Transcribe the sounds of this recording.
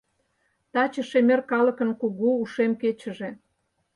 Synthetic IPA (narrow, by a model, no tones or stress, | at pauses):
t̪ɑt͡ɕəʃemerkɑləkə̆nkuɣuuʃemket͡ɕə̆ʒe